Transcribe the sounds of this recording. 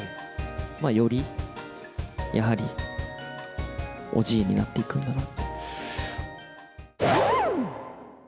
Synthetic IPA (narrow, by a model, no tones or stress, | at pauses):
maːjo̞ɾʲi | jʔa̰ɦaɾʲi | o̞̰ʑiːɲ̟ːḭnat̪ːe̞ikɯ̟̃nd̪anat̪ːe̥